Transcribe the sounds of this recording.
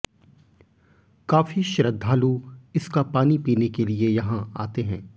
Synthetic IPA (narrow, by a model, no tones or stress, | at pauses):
kaːfiʃɾəd̪ʱːaːluɪskapaːnipiːnekeliejɐɦãa̰ːt̪eɦɛ̃ː